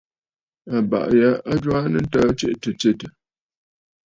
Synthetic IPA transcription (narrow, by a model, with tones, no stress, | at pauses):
a˨ba̰˨ʔja˦a˦d͡ʒwa˦nɨ˦n̩˦ta˦t͡ʃe˦ʔtə˨t͡ʃe˦tə˨